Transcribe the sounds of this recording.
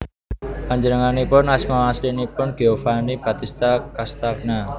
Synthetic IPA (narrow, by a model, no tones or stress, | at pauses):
paɲd͡ʒənəŋanipʊnasmaaslinipʊnɡ̥eofanib̥a̤t̪ist̪akast̪ak̚na